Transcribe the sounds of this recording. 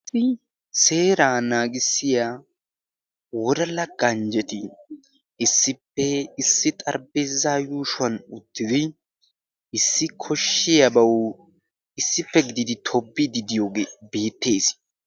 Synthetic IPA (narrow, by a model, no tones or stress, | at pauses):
sɪ | se̞ːɾaːnaːɡɪsːɪja | wɔd̪ɐlɐɡ̥ɐnd͡ʒɛt̪ɪ | ɪsːɪpːɛɪsːɪt̪ʼɐɾbeːzaːjuːʃʊwɐnʊt̪ːɪd̪ɪ | ɪsːɪkʰɔʃːɪjɐbɐw | ɪsːɪpːɛɡɪd̪ɪd̪ɪt̪ʰɔbːɪd̪ɪd̪ɪjoɡebe̞ːt̪ːe̞ːs